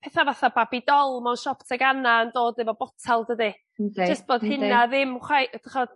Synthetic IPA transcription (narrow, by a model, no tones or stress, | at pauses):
pʰɛθavaθababidɔlˠmawnʃɔptʰaɡanaəndoːdnɪvɔbɔtʰalˠdədi̥ | d͡ʒəst̚b̥oːd̥hɪnaðɪmχwajʔd̥əχɔd̥